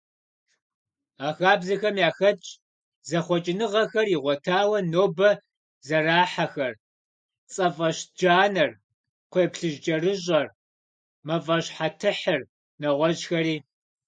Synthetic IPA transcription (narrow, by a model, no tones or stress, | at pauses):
aːxaːbzɐxɐmjaːxɐt͡ʃʼ | zɐχʷɔt͡ʃʼɪnɨʁɐxɐriʁʷɔtʰaːwɐnoːbɐ | zɐraːħaxɐr | t͡sʼɐfʼɐɕd͡ʒaːnɐr | qʷeːpɬɨʒd͡ʒʼɐrɨʑʼɐr | mɐvɐɕħatʰɨħɨr | nɐʁʷɔʑxɐɾiː